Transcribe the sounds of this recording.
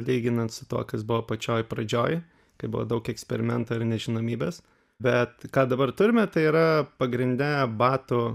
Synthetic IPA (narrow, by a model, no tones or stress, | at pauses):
lʲiɪɡʲɪnɐnt̪sʊt̪uɔkɐsbʊʋɐpɐt͡ʃʲoːjpɾɐd͡ʒʲoːj | kɐɪbʊ̰ʋo̰d̪ɐʊkɛksʲpʲɛɾʲɪmʲɛnt̪oːɪɾnʲɛʒʲɪnoːmʲiːbʲeːs | bʲɛt̪kɑːd̪ɐbɐrt̪ʊɾʲɪmʲɛt̪ɐɪiːɾɐpɐɡɾʲɪnʲd̪ʲɛbɑːt̪ʊ